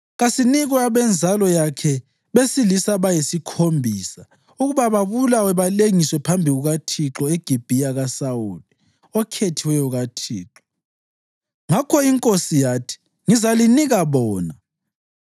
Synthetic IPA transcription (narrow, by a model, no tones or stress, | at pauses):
ɣasiniɣwaβɛnd͡zʱalɔjakʰɛ | βesilisaβajisikʰombʱiːsa | uɣuβaβaβulawɛβaleŋiswɛpʰambʱiɣuɣatʰiǁɔeɡ̥ʱib̥ʱiaɣasawuli | ɔkʰetʰiwɛjuɣatʰiːǁɔ | ŋakʰɔiŋkʼosijaːtʰi̥ | ŋizaliniɣaβɔːna